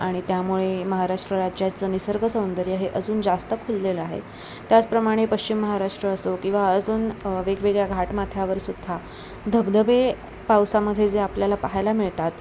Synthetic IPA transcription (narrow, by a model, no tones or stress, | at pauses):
aɽ̃it̪jamuɭeməɦaɾaʂʈɾəɾad͡ʑjat͡sənisəɾɡʱəsəwnd̪əɾiːaɦeʔəd͡zuːnd͡zast̪əkʰulːeləaɦḛ | t̪jat͡spɾəmaɽ̃epəɕt͡ɕimːəɦaɾaʂʈɾəːsokĩw̃ʋaəd͡zuːnʋeɡʋeɡɭjaɡʱaʈmat̪ʰjaʋəɾsud̪ʱːa | d̪ʱəbd̪əbe | pawsaməd̪ʱːjed͡zeapljalapaɦajlamiɭt̪at̪